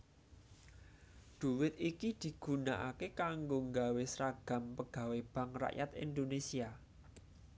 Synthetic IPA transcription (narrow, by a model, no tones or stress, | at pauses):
d̪̥ṳwɪt̪ikid̪̥i̤ɡ̥ṳnaʔa̰kekaŋɡoŋɡawesɾaɡ̥a̤mpəɡ̥ä̤web̥ä̤ŋra̰ʔja̰t̪ḭnd̪onesia